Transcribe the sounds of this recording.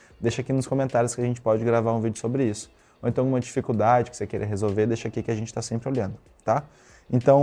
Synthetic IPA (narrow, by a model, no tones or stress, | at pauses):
d̪eʃɐakinʊ̃skõmẽnt̪aɾjʊskɪɐʒẽnt͡ʃɪ̥pɔd͡ʒɪɡɾavaɾũvid͡ʒɪʊsobɾɪisʊ̥ | oẽnt̪ɐ̃w̃ũmɐd͡ʒifikuwd̪ad͡ʒɪkɪ̥sekeɾḛɦezowveɾd̪eʃɐakikɪaʒẽnt͡ʃɪ̥t̪asẽmpɾɪoʎɐ̃nd̪ʊ | t̪a | ẽnt̪ɐ̃w̃